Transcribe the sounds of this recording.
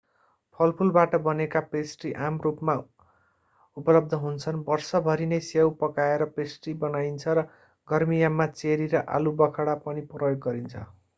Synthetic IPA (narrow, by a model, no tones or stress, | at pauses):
pʰʌlpʰulbaʈʌbʌnekapesʈiʔamrupma | upʌlʌb̚d̪ʱʌɦunt͡sʰʌnbʌrsʌbʱʌɾinesewpʌkaeɾʌpesʈibʌnajnt͡sʰʌɾʌ | ɡʌrmijamːat͡seɾiɾʌʔa̰lubʌkʰaɽapʌniprʌjoɡɡʌɾint͡sʰʌ̰